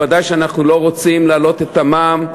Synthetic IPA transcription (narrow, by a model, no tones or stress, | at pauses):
ad̪ajʃeanaχnulo̞ʁo̞t͡simlaːlo̞t̪e̞t̪amaːm